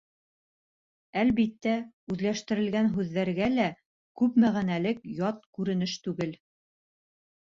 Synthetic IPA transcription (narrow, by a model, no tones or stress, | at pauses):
ælβit̪ːæ | ʉðlæʃt̪ɘ̆ɾɘ̆lɡænɦʉðːæɾɡælæ | kʉpmæʁænælɘkjɑt̪̚kʉɾɘ̆nɘʃt̪ʉɡɘl